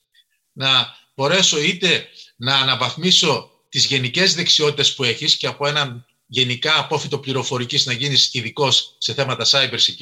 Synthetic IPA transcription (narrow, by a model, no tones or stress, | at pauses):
nɐ | b̥o̞ɾe̞so̞it̪e̞nɐːnɐvɐθmiso̞ | t̪izʝe̞nice̞zðe̞ksio̞t̪it̪e̞spue̞çisceɐpo̞e̞nɐn | ʝe̞nikɐːpo̞fit̪o̞pliɾo̞fo̞ɾiciznɐʝinisiðiko̞sːe̞θe̞mɐt̪ɐsɐjbeɾsi